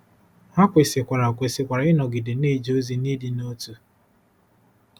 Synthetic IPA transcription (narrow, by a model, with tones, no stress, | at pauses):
ha˦kʷe˨sɪ˨kʷa˨ɾa˨kʷe˨sɪ˨kʷa˨ɾa˨˦ɪ˦nɔ˨ɡɪ˨de˨ne˦˨d͡ʒo˦zi˦ni˦dɪ˨no˦tu˦